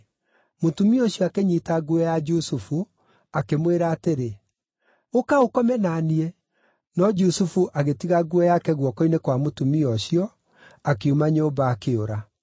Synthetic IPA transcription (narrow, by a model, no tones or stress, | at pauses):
motumiɔɕjɔakeɲitaɡuɛjad͡ʒusufu | akemweɾaːteɾe | okaokɔmɛnaniɛ | nɔd͡ʒusufuʔaɣetiɣaɡuɛjakɛɣwɔkɔinekwamotumiɔɕjɔ | akeumaɲombaːkeoɾa